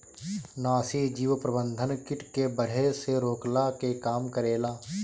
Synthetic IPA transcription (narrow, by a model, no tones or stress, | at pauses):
naːsid͡ʒiːʋpɾəbə̃nd̪ʱənkɪʈkebəɽ̤eseɾoːklakekaːmkəɾeːlaː